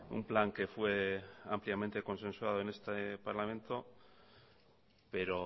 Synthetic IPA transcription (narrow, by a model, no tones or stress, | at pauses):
ṵmplaŋke̞fwe̞ampljament̪e̞ko̞nsẽ̞nswað̞oene̞st̪epaɾlamẽ̞nt̪o̞ | pe̞ɾo̞